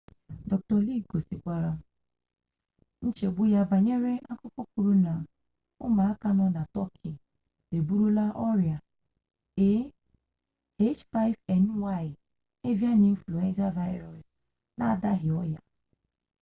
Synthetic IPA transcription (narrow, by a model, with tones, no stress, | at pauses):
dɔ˨k̚tɔ˨li˦ɡo˨si˨kʷa˨ɾa˦ | n̩˦t͡ʃe˨ɡ͡bu˦ja˦ba˨ɲe˦ɾe˦ʔa˦kʊ˦kɔ˦ku˨ɾu˦na˨ | ʊ˦ma˨a˦ka˦nɔ˦na˨tɔ˦kʰi˨ | de˨bu˦ɾu˦la˦ʔɔ˦ɾja˨ | e˦ | e˦t͡ʃfa˦jfɛ˨n˦wa˦˨ɪ˨ | e˦vja˦ni˨m̩˦flo˨ẽ˦n˦za˦va˦ɪ˦ɾɔ˨s | na˦˨da˦ɦɪ˨ɔ˦ja̰˨